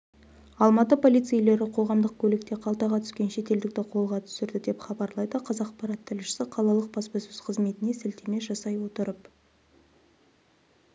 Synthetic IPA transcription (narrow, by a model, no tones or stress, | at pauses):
ɑlˠmɑt̪əpʰo̞lijt̪sijle̞ɾɪqʰo̞ʁɑmd̪əq̚kʲʰɵlɪk̚t̪e̞qʰɑlˠt̪ɑʁɑt̪ʰʏ̥skʲe̞nʃe̞t̪e̞ld̪ɪk̚t̪ɪqʰo̞lˠʁɑt̪ʰʏ̥sɪɾd̪ɪd̪e̞pχɑbɑɾlˠɑjd̪əqʰɑzɑqqpɑɾɑt̪ʰːɪlʃɪ̥sɪqʰɑlˠɑlˠəq̚bɑspɑsɵz̥qʰəzme̞t̪ɪne̞sɪlt̪eme̞ʒɑsɑjwo̞t̪əɾəp